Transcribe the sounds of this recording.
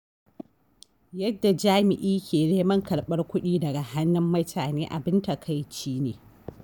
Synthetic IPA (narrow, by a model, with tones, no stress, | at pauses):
jɐ˦dːa˨d͡ʒaː˦mɪ˨ʔiː˦kʲʰeː˨neː˦mɐ˦ŋkɐ˨lɓɐ˦rkʷʊ˦ɗiː˦dɐ˨ɡa˨ha˦nːɪ˦mːɐ˦tʰaː˨neː˦ʔa˨bɪ˦nta˨kʰa˦jt͡ʃiː˦neː˨